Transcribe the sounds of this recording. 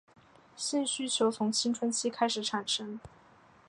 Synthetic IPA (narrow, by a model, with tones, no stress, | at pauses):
ɕi˥˧nɕy˥t͡ɕʰjo˧˥ʊt͡sʰʊ˧˥ŋt͡ɕʰi˥nʈ͡ʂʰə˥nt͡ɕʰi˥kʰa˥ɪʂɻ̩˨˧˥ʈ͡ʂʰa˨˩nʂə˥ŋ